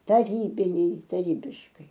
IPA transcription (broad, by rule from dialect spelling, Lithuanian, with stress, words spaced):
tɐˈrʲiːbʲɪnʲɛɪ tɐˈrʲiːbʲɪʃkɐɪ